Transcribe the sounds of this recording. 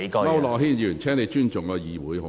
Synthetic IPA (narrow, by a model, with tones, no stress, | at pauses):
mɐ˥wlɔː˨˩ɦiː˥˩njyː˨˩nt͡ʃʰɛː˥ŋne˨˧jt͡ʃyː˥nt͡ʃʊ˨˩ŋkɔ˧jiː˨wuː˨˥jhʊ˨